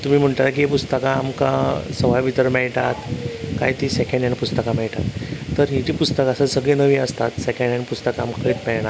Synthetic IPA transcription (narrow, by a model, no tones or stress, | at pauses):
t̪um̤iːm̤əɳʈ̪aɾak̬iepust̪əkaːmka̰səʋajʋit̪əɾmɛɭʈ̪at̪ka̰jt̪iːsekʰẽɳɖjanipust̪əkamɛɭʈa̰t̪ːəɾɦit͡ɕiːpust̪əkasasəɡɭenəʋiːəst̪at̪sekʰẽɳjanipust̪əkaːmkkəiːt̪pɛɭɳ̃a